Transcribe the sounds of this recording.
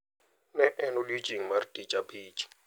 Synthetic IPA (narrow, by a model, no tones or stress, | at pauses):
nɛʔɛnolid͡ʒʼiŋ̩martʼit͡ʃʼapʰiːt͡ʃʼi̥